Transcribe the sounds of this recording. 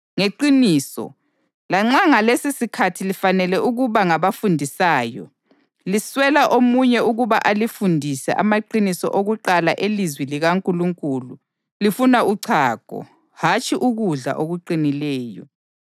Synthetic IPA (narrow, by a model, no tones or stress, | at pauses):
ŋeǃiniːsɔ̰ | laŋ͡ǁaŋalesisikʰatʰilifanɛlɛʔuɣuβaŋaβafundʱisaːjɔ̰ | liswɛlaʔomuɲɛuɣuβa̰ʔalifundʱisɛ̰ʔa̰maǃinisɔ̰ʔoɣuǃalaʔelizwiliɣaŋkʼuluŋkʼulu | lifunauǀʰaːkʼɔ̰ | hat͡ʃʼiʔuɣuɮa̰ʔoɣuǃinilɛːjɔ̰